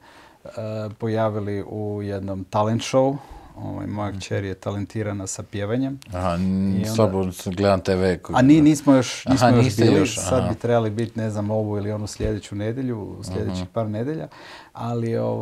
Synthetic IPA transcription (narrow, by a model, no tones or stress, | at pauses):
əpo̞jaːʋiliʔujed̪nomt̪alent̪ʃo̞uo̰ʋa̰jmojakt͡ɕeɾjet̪alent̪iːɾanasapjeːʋaɲe̞mhaioslaboɡled̪amt̪eʋekaniniːsmojo̞ʃniːsmojoʃbilisad̪bit̪ɾe̞balibit̪ne̞znamo̞ʋuilio̞nusʎed̪et͡ɕune̞d̪jeʎuslʎe̞d̪et͡ɕixpaːɾne̞d̪jeʎa̰ | alio̰